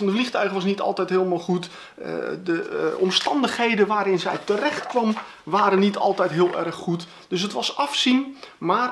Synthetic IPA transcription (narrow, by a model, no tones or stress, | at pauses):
ɑndəflixtœɥɣəʋɑsnitɑ̰lˠtɛjtɦɪəlˠmalˠχut | dəɔmstɑndəxhejdənʋaːɾɪnzɛjtərɛxtkʋɑm | ʋaːɾənːitʰɑ̰lˠtɛjtɦiəlˠɛ̰rxːut | d̥ɵs̬ɦətʋɑsɑfsinmaːr